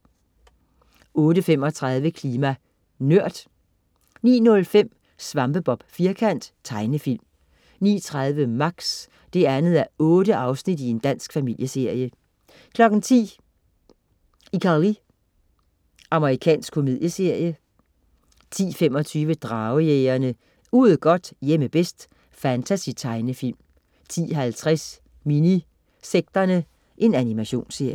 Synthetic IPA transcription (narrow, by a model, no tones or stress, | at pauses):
ɔ̽ːɾəfemɒ̽t͡sʰʁɑ̈ð̞ˠʋəkʰliːmæ | nøɐ̰d̥ | nḭːnɔ̽lfem̰ | sʋɑ̈mb̥əb̥ɒ̽b̥fiɐkʰæn̰d̥t͡sʰɑ̈ɪnəfil̰m | nḭːt͡sʰʁɑð̞ˠʋəmɑ̈ɡ̥s | d̥e̝ænð̞̩ˠæɔ̽ːɾəʔɑ̈ʊsnid̥ie̝nd̥æn̰sɡ̥fæmil̰jəse̝ɐ̰jə | kʰlɒ̽ɡ̥n̩t͡sʰḭː | ikʰɑli | ʔɑ̈məʁikʰɛ̰ːnsɡ̥kʰo̝mið̞̰ˠjəse̝ɐ̰jə | t͡sʰḭːfem̰ɒ̽t͡sʰyːʋəd̥ʁɑ̈ːʊəjeɪɐnə | uð̩ˠɡ̥ɒ̽d̥jeməb̥esd̥ | fænt͡sʰæsit͡sʰɑ̈ɪnəfil̰m | t͡sʰḭːɦælt͡sʰʁɛs | mini | seɡ̥̚d̥ɐnə | ʔe̝nænimæɕo̝̰ːnse̝ɐ̰jə